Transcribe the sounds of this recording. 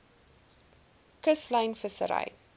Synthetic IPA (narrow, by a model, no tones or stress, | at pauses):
kəslɐjnfəsə̰ɾɐ̰j